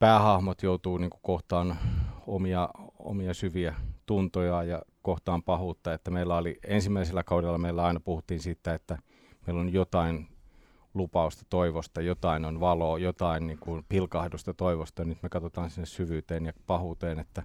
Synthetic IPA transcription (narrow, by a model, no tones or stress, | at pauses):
pæːhɑhmot̪jout̪uːniːŋkukoht̪ɑːno̰miɑo̰miɑsyʋiæt̪unt̪ojɑjɑkoht̪ɑːmpɑhuːt̪ːɑet̪ːæmeilːæoliensimːæiselːækɑudelːɑmeilːæɑinɑpuhut̪ːiːnsiːt̪ːæet̪ːæ | meilonjot̪ɑin | lupɑust̪ɑ̥t̪oiʋost̪ɑjot̪ɑinonʋɑloːjot̪ɑinniːŋkunpilkɑhdust̪ɑt̪oiʋost̪ɑjnyt̪mekɑt̪ot̪ɑːnsinːessyʋyːt̪eːnjɑpɑhuːt̪eːnet̪ːæ